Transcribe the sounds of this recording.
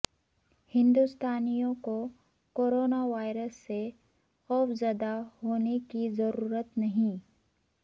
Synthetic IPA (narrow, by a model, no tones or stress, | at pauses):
hɪ̃nd̪ust̪aːnijõko | koːɾoːnaʋaːɪɾəsːe | xɔːfzjaːd̪aɦoːnekizɐɾuːɾət̪nɐɦĩ